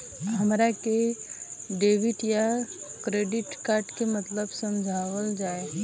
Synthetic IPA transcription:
ɦɐmɾake | ɖeːʋɪʈjakɾeːɖɪʈkaːɾʈkemɐt̪ləbsɐ̃md͡ʒʱaːʋəld͡ʒaːe

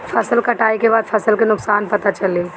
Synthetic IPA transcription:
fʰɐsəlkɐʈaːikebaːd̪fʰɐsəlkenʊksaːnpɐt̪at͡ʃɐleː

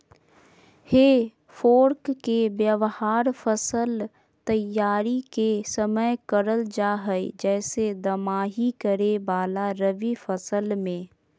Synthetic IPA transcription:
heː | foːɾkkebjəʋhaːɾfəsəl | t̪əjaːɾikesəməjkəɾəld͡ʒaːɦəjd͡ʒɛːsed̪əmaːɦikəɾebaːlaɾəʋifəsəlmẽː

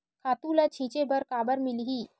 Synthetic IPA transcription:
kʰaːt̪ũːlat͡ʃʰĩːt͡ʃebʱəɾkaːbəɾmɪlɦiː

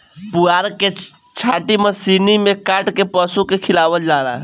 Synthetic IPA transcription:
puaɾke | t͡ʃʰaʈiməsinimekaʈkepəsukekʰilabəld͡ʒaɾa̰

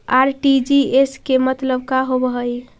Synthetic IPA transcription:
aɾʈid͡ʒieskemət̪ləbkaɦobəɦəj

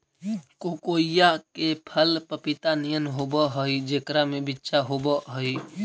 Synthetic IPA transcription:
kokoijakepʰəlpəpit̪anijənɦobəɦoid͡ʒekɾamebitːʃaɦobəɦoi

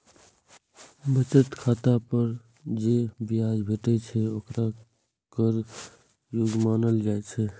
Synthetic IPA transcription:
bət͡ʃət̪kʰat̪apəɾ | d͡ʒebiad͡ʒbʱeʈɛt͡ʃʰɛokɾa | kəɾ | joɡmanəld͡ʒajt͡ʃʰɛ

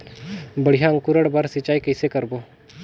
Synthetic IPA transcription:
bəɽ̤ijaə̃ŋkʊɾəɽbaɾsɪt͡ʃaːikɐsekəɾboː

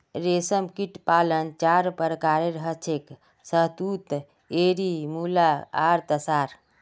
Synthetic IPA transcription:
ɾesəmkiʈpalənt͡ʃaɾpəɾkaɾeɾəɦət͡ʃʰek | səɦd̪ut̪ | eɾimulaaɾt̪əsaɾ

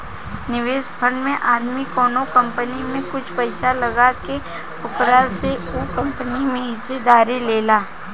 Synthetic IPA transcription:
nɪʋeːʃpʰə̃ɳɖmẽʔaːd̪mikɔːnõkɐ̃mpənimẽkʊt͡ʃʰpɐɪʃalɐɡake | ʊkɾaseuːkɐ̃mpənimẽɦɪsed̪aːɾileːlaː

